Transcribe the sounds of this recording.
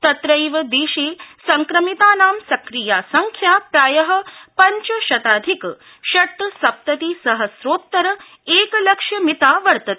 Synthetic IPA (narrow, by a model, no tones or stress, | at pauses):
t̪ɐt̪ɾɐjʋɐd̪eːʃeːsɐŋkɾɐmit̪aːnaːmsɐkɾijaːsɐŋkʰjaːpɾaːjɐɦɐ̆pɐɲt͡ʃɐʃɐt̪aːd̪ʱik | ʃɐʈ̪ːɐsɐp̚t̪ɐt̪isɐɦɐsɾoːt̪ːɐɾɐ | eːkɐlɐkʂjɐmit̪aːʋɐɾt̪ɐt̪ː